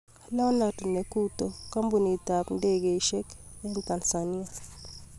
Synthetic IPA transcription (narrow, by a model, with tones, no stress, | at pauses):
la˦wna˨tne˨ku˦to˨ka˦mbu˨ni˨ta˨pn̩˦de˦ɡe˨i˨˦ʃɛ˦kɛ˦nta˨nsa˨ni˦a˨